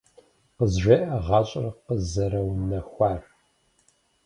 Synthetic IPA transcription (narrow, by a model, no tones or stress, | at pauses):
qəzʒʷeʔɐʁɑːɕʼrɐqəzɐɾɐwnɐxʷɑːr